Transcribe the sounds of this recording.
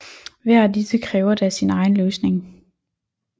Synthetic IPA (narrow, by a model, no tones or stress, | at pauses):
ʋæɐ̰æd̥isəkʰʁɛːʊɐd̥æsinɑ̈ɪn̩løːsne̝ŋ